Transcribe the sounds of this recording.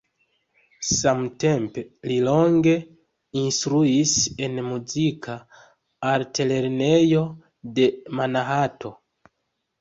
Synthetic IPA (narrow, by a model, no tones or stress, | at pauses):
samte̞mpelilo̞ŋɡe̞ | instɾuise̞nmuzikʰaː | ɾtele̞ɾne̞jo̞ | de̞manaɦatʰo̞